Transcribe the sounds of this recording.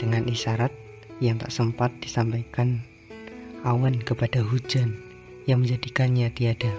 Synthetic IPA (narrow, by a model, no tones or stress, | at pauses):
d̥əŋanʔiʃaɾat̪̚ | jaŋt̪a̰ʔsəmpat̪̚d̥isampajkan | ʔawankəpad̥aɦud͡ʒan | jaŋməɲd͡ʒadikanɲat̪iad̥a